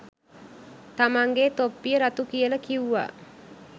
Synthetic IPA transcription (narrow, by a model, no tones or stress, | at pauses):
t̪amaŋɡet̪opiɾat̪ukiələkiua̰